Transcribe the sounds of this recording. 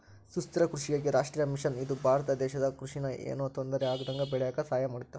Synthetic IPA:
sust̪ɐɾɐkɾuʃijɐɡeɾaːʂʈɾiːjɐmiʃɐnid̪ubʱaːɾɐt̪ɐd̪ɛːʃɐd̪ɐkɾuʂinɐʔḛːnoːt̪ond̪ɐɾeaːɡɐd̪ɐŋɡɐbɛɭɛjaːkɐsaːjɐmaːɽit̪ːɐ

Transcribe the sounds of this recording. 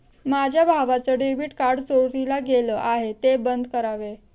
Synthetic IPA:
mad͡ʑʱjabʱaʋat͡səɖeʋiːʈkaɾɖt͡soɭt̪ilaɡeləːʔaɦet̪ebənd̪ʱkəɾaʋe

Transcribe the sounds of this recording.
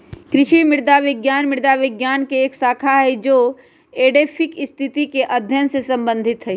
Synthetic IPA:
kɾɪʃimɪɽd̪aʋɪɡjaːnmɪɾd̪aʋɪɡjaːnkeːksaːkʰaɦɛd͡ʒoː | eːɖeːpʰɪkɪst̪ʰɪt̪ikeʔɐd̪ʱjənsesɐ̃mbə̃nd̪ʱɪt̪ɦɛ

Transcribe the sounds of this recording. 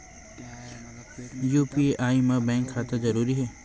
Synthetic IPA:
juːpieʔaːimãbɛ̃ːŋkʰːaːt̪ãzɐɾuːɾiɦɛː

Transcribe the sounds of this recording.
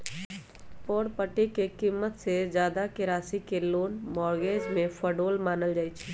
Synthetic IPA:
poːɽpəʈːikekimːət̪sezjaːd̪akɪɾaːsikeloːnmɔːɾɡeːd͡ʒmẽfʰəɖoːlmaːnəld͡ʒaːit͡ʃʰɛ

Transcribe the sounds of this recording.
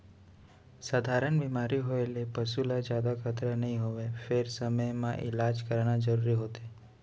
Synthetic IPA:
sad̪ʱaɾəɳbimaɾiɦoelepəsulad͡ʒjad̪akʰət̪ɾənəɦĩɦoʋefeɾsəməjmã̰ʔɪ̰lad͡ʒkəɾɽ̃ad͡ʒəɾuɾiɦot̪e

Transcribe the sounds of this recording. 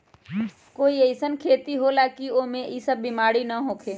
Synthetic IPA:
koːieɪsənkʰeːt̪iɦolaːkioːmẽʔisəbːimaːɽinɐɦoːkʰeː

